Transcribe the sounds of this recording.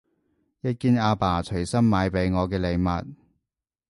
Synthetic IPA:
jɐ˥t̚kiː˥naː˧paː˨˩t͡ʃʰɵ˨˩ɥsɐ˥nmaː˨˧˥jpe˨˥jŋɔː˨˧k̬ɛː˧le˨˧jmɐ̰˨t̚

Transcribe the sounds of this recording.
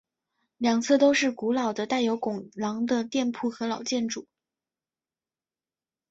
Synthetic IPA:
ljɑ˨˩ŋt͡sʰɤ˥˩t̪o˥ʊʂɻ̩˥˩ku˧˥lɑ˨˩ʊd̪ə˦t̪a˥˩ɪjo˧˥ʊkʊ˨˩ŋlɑ˧˥ŋd̪ə˧t̪jɛ˥˧npʰu˥˩xɤ˧˥lɑ˨˩ʊt͡ɕjɛ˥˩nʈ͡ʂu˨˩˦

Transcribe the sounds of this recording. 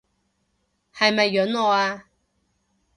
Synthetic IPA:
hɐ˨jmɐ˨jːɵ˨˥nɔː˨˧aː˧

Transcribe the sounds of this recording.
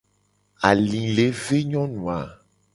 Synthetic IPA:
a˨lĩ˨le˨˦ve˦ɲɔ̃˦nũ˨a˨

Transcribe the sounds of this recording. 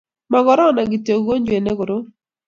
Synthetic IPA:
ma˨ɡɔ˦ɾɔ˦na˨ɡi˨te˨ɡo˦ɲd͡ʒwe˨ne˦ɡʊ˨ɾo˦

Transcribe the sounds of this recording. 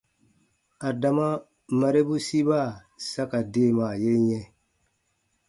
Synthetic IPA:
a˨da˨ma˦ | ma˨ɾe˦bu˦si˦ba˦˨ | sa˦ka˨de˦˨ma˨je˦ɲɛ˦

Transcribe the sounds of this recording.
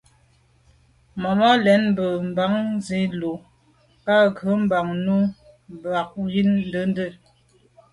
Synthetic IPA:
mɔ˨mɔ˦lɛ˨˦nm˦bə˨m̩˨ba˨˦ŋze˨˦lo˨ | ka˦˨ɣə˨˦m˦ba˨ŋnu˦ | m˨ba˨k̚ji˦nn˦də˦n˦də˦˨

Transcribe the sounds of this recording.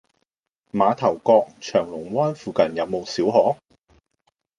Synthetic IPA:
maː˨˧t̪ʰɐ˨˩wkɔː˧k̚t͡ʃʰœː˨˩ŋlʊ˨˩ŋwɔː˥nfuː˨˧kɐ˨˩njɐ˨˧wmo˨wsiː˨˥wɦɔː˨˥

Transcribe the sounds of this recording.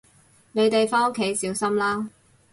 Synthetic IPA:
ne˨˧jt̪e˨jfaː˥ŋo˥kʰːe˨˥jsiː˨˥wsɐ˥mlaː˥

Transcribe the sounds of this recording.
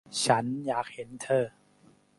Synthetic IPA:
t͡ɕʰa˦˥njaː˨˩k̚he˩˦nt̪ʰɤː˧˩

